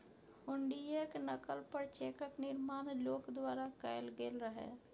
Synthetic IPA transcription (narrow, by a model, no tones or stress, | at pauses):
hʊɳɖijeknəkəlpəɾt͡ʃeːkəknɪɾmaːnloːkd̪waːɾakaːɪlɡeːlɾəɦḛː